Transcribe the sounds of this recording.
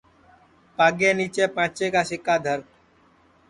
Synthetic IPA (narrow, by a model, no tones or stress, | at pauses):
paːɡẽːniːt͡ʃeːpãːt͡ʃeːkaːsɪkaːd̪ʱəɾ